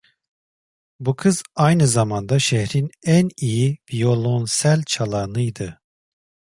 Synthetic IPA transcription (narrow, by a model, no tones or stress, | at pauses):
bukʰɯz̥ajnɯzamand̪aʃɛhɾinænijivijo̞lˠo̞nsælʲt͡ʃʰalˠanɯjd̪ɯ